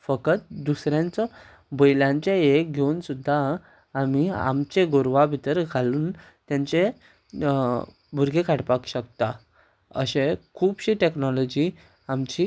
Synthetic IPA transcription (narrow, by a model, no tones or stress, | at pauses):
fəkət̪̚d̪usɾjãnt͡sɔ | bəjljãɲt͡ɕeek̚ɡʱeuːnsud̪ʱːaː | mia̰mt͡ɕeɡoɾʋabʱit̪əɾɡʱaluːn | t̪jãɲt͡se | bʱuɾɡʱekʰaɽpakɕəkt̪a | ə̰ɕẽkʰuːbɕiʈeknɔlɔd͡ʑi | amt͡ɕi